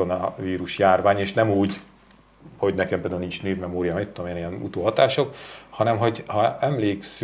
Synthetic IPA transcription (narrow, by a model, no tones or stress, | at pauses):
onɒviːɾuʃjaːrvaːɲeːʃnɛmuːɟ | ho̞ɟnɛkɛmpeld̪alnint͡ʃneːvmɛmoːɾijɒmit̪ːod̪omeːɛnijɛnṵt̪oːɦɒt̪aːʃo̞khɒnɛmɦo̞ɟhɒɛmleːksy